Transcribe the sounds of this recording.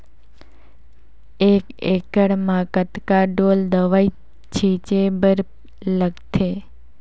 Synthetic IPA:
ekekəɽmãkət̪kaɖold̪əʋai | t͡ʃʰit͡ʃebəɾ | ləɡt̪ʰe

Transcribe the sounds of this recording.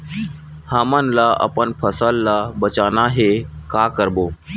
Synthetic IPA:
hamanlaʔə̰pəɳpʰəsalːabət͡ɕanaɦekakəɾbo

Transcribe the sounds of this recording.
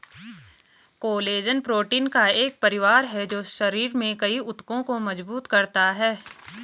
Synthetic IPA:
koːleːd͡ʒənpɾoːʈiːnkaeːk̚pɐɾɪʋaːɾɦɛd͡ʒoːʃɐɾiːɾmẽkɐiʊt̪kõkomɐd͡ʒbuːt̪kɐɾt̪aɦɛː

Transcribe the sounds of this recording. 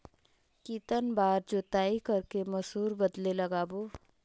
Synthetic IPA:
kiːt̪ənbaːɾd͡ʒot̪aːikɐɾkemɐsuːɾbɐd̪lelɐɡaːboː

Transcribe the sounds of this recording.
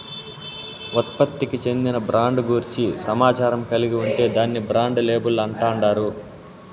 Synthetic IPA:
ɔt̪̚pɐt̪ːikit͡ʃe̞nd̪inɐbɾʔaːɳɖɡuɾt͡ʃisɐmaːt͡ʃaːɾɐmkɐliɡiuɳʈe̞ːd̪aːnːibɾaːɳɖleːbulɐɳʈaːɳɖaːɾu

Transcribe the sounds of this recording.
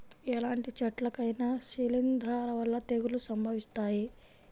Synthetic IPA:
ɛlaːɳʈit͡ʃɐʈlɐkɐjnaʃilind̪ʱɾaːɾɐʋɐlːɐt̪eɡulusɐmbʱɐʋist̪aːji

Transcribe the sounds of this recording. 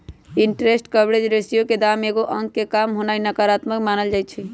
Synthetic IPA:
iɳʈɾesʈkəbɾed͡ʒɾesijoked̪ameɡoʔəŋɡkekamɦonainəkəɾat̪məkmanəld͡ʒajt͡ʃʰi

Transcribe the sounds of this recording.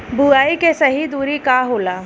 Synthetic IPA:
buaːikesɐɦid̪uːɾikaɦoːlaː

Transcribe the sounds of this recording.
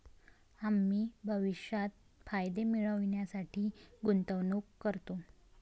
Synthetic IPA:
amːiːbʱəʋiʂjat̪̚ | fajd̪emiɭəʋɳjasaʈʰiːɡunt̪əʋnuːkkːəɾt̪o

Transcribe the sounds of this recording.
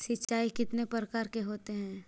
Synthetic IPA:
sɪtːt͡ʃaːikɪt̪nepəɾəkaːɾkeɦoːt̪eɦɛ̃ː

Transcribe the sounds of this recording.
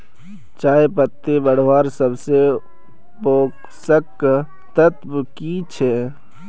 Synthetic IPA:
t͡ʃaːepət̪ːebəɽ̤ʋaːɾsəbse | poːk | səkː | t̪ət̪bkit͡ʃʰɛ

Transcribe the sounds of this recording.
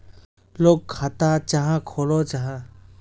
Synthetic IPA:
loːɡ̚kʰaːt̪aːt͡ʃaɦãkʰoːloːt͡ʃaɦã

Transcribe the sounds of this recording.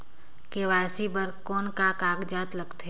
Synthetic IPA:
keʋaːsibəɾkɔːnkakaːɡd͡ʒaːt̪ləɡt̪ʰe

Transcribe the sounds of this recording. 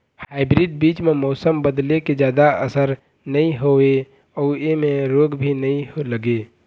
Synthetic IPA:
haːɪbɾiɖ̚biːt͡ʃmemɔːsəmbəd̪leked͡ʒjaːd̪aə̰səɾ | nəɦĩɦoe | ɔːemẽɾoːɡbʱinɐɦĩɦoləɡe

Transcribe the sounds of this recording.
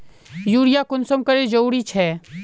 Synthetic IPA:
juːɽɪjakʊnsəmkɐɾed͡ʒouɽit͡ʃʰɛː

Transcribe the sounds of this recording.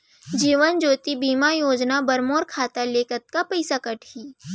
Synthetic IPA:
d͡ʒiːʋənd͡ʒoːt̪ibiːmajoːd͡ʒnabɐɾmoːɾkʰaːt̪aleːkət̪̚kapɐɪsakɐʈʰhiː

